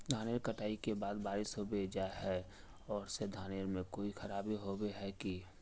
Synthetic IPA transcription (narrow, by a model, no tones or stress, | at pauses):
d̪ʱaːneɾkəʈaːikebaːd̪baːɾɪsɦobed͡ʒaːeɦɛ | ɔːɾsed̪ʱaːneɾmẽkoːixʰəɾaːbiɦobeɦɛki